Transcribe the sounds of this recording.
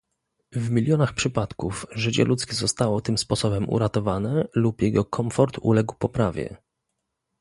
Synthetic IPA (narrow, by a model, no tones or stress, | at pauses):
vmʲilʲjɔnaxpʂɘpat̪kufʐɘt͡ɕɛ̰lʔut̪skʲɛzɔst̪awɔt̪ɘmspɔsɔbɛmʔṵɾat̪ɔvanɛlupjɛɡɔkʰɔɱfɔɾt̪ṵlɛɡwpɔpɾavʲjɛ̰